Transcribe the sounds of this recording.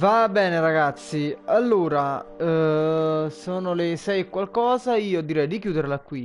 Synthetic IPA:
vabːɛːneɾaɡat̪sːialːuːɾa | soːnolesɛjekwalkɔːzaiːod̪ːiɾɛjd̪ik̬juːd̪eɾlakːwi

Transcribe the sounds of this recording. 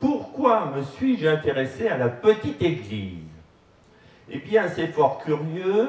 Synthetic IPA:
puʁkwaməsɥiʒɛ̃t̪eʁesealapət̪it̪eɡlḭz | ebjɛ̃sɛfɔʁkʲyʁjø

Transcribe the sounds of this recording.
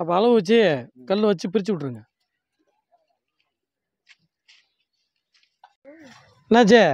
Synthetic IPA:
ɐpːɐɐlɐʋɯʋɐt͡ʃːekɐlːɯʋɐt͡ʃːɯpɪɾɪt͡ʃːɯʋɪʈːɾɯŋɡɐ | nat͡ʃe

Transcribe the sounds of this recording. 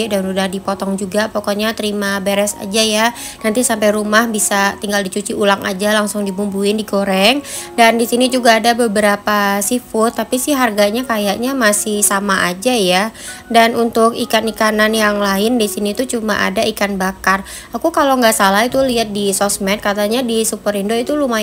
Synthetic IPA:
danudahdipɔt̪ɔŋd͡ʒuɡapɔkɔɲat̪əɾimabeɾɛsa̰d͡ʒaja | nant̪isampajɾumahbisat̪iŋɡaldit͡ʃut͡ʃiulaŋʔa̰d͡ʒalaŋsʊŋdibumbuɪndiɡoɾɛŋdandisinid͡ʒuɡaːdabəbəɾapasifʊt̪ːapisɪhɦarɡaɲakajaʔɲamasɪhsamaʔad͡ʒajadanʔunt̪ʊkikanikananjaŋlaɪndisinit̪ut͡ʃuma̰ʔa̰daikanbakar | akukaloŋɡaʔsalahit̪uliɦat̪̚disɔsmɛt̪̚kat̪aɲadisupəɾindoit̪uluma

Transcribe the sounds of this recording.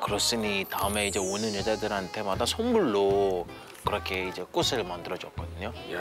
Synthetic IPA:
kɯɾʌs͈ɯɲitaɯme̞id͡ʑe̞onɯnjʌd͡ʑadɯɾɦantʰe̞madasʰʌnmuɭːo | kɯɾʌkʰe̞id͡ʑe̞k͈usʰɯɭmandɯɾʌd͡ʑʌk̚k͈ʌdɯɲoj

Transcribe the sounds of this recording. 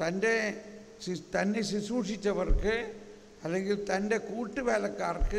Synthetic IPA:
t̪ɐnɖɐ | st̪ɐnːɐɪsɪsuːʂɪt͡ʃːɐʋɐɾkɯ | ɐlːɐŋɡɪlt̪ɐnɖɐkuːʈːɯʋeːlɐkːaːrkɯ

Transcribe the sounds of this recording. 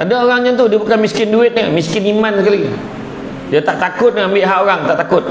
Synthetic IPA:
adaoɾaŋɲat̪udiapukanmiskɪnduɪt̪̚namiskɪnimanskali | diat̪aʔt̪akʊt̪̚naambɪʔɦaʔoɾaŋt̪aʔt̪akʊt̪̚

